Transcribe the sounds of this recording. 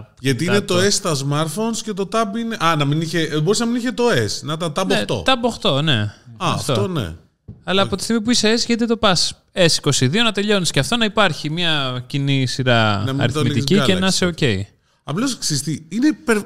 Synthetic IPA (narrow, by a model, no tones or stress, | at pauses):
ʝɐt̪iinet̪oest̪ɐzmɐɾfonscet̪o̞t̪ɐbineʔɐnɐminiçeboɾis̬nɐminiçet̪o̞esnɐt̪ɐt̪ɐboet̪o̰t̪ɐboxt̪o̞ne̞ɐɐftfoonḛ | ɐlɐɐpo̞t̪i̥st̪iɣmip̬uiseesʝɐt̪it̪o̞pɐs | esi̥ko̞siðio̞nɐt̪e̞ʎo̞nisceɐft̪o̞nɐipɐɾçimɲɐcinisiɾɐɐɐ̰ɾiθit̪icienɐseoce̞ḭ | ɐplosksist̪iinepeɾ